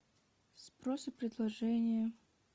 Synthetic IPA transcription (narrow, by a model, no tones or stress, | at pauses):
spɾosɨpɾʲɪd̪lˠɐʐɛnʲɪjə